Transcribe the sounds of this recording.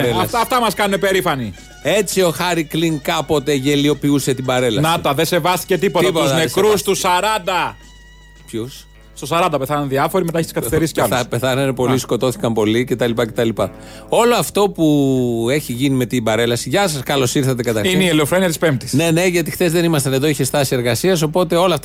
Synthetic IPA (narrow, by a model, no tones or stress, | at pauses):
elɐsɐft̪ɐmɐskɐnunepe̞ɾifɐni | e̞t͡sio̞xɐɾikliŋkɐpo̞t̪e̞ʝe̞lio̞piuse̞t̪ibɐɾe̞lɐnɐt̪ɐðesevɐst̪i̥cet̪ipot̪ɐpoutznekɾust̪usɐɾɐnd̪ɐ | pçus | st̪osɐɾɐnd̪ɐpeθɐnɐnðiɐfo̞ɾimet̪ɐçet̪iskɐθist̪eɾisceɐlɐpeθɐnɐinepo̞lisko̞t̪o̞θi̥kɐmpo̞lice̞t̪ɐlipɐce̞t̪ɐlipɐ | o̞loɐft̪o̞pue̞çiʝinime̞t̪ibɐɾe̞lɐsiʝɐsɐskɐlo̞siɾθɐt̪ekɐt̪ɐɾineieleofɾoniɐt̪ispemt̪i̥sne̞ne̞ʝɐt̪ixt̪e̞zðe̞nimɐst̪ɐneðo̞içest̪ɐsie̞ɾɣɐsiɐs̬o̞po̞t̪e̞o̞loɐft̪